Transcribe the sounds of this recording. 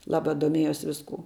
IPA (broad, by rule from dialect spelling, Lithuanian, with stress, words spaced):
ˈlˠɑːbɐ doːˈmʲiɛjʊs ʋʲɪsˈkuː